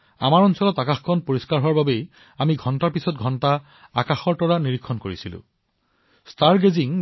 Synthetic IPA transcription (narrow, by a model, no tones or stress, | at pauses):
a̰maɹɔnsɔlɔtakaxkʰɔnpoɹiskaɹɦowaɹbabej | amiɡʱɔntaɹpisɔtɡʱɔnta | akaxɔɹtɔɹaniɹikʰːɔnkoɹisilʊ̰̃ | staɹɡeziŋ